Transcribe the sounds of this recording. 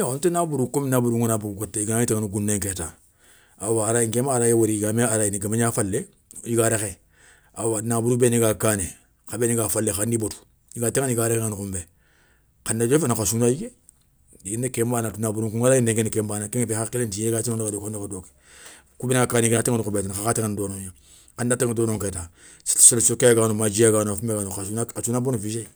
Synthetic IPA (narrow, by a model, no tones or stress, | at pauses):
ontenabuɾukominabuɾuɡunabuuɡotːeiɡnaiteŋanuɡunːeŋketa | awaːɾajiŋkemaɾajewoɾiiɡameaɾainiɡameɲaːfalːe | jiɡaːɾaxe | awanabuɾubeniɡakane | kabeniɡafalːexandibotu̥ | jiɡatiŋaniɡaːɾkeŋanikumbe | kandad͡ʒefanakasunajiɡe | diɡinekembanatunabuɾukuŋalaindeŋkenekembanakeŋfexakilentijeɡat͡ʃinoɡadokanokadoki̥ | kubeniɡakankatiŋanukubetanakatiŋandoːnoja | kandatiŋdonoŋketa | ssokeɡaːnomad͡ʒiaɡanfumeɡanokasunaasunabonufiʃe